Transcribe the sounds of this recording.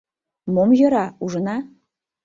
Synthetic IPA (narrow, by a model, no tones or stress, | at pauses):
momjɤ̆ɾɑuʐɤ̆nɑ